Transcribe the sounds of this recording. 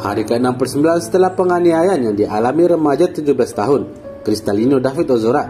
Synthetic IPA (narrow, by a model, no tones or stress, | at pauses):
ha̰ɾikəənampərsəmbilansə̥t̪əlahpəŋaniajanjaŋdiʔalamiɾəmad͡ʒat̪ud͡ʒublast̪aɦʊn | kɾist̪alinodafit̪̚ozoɾa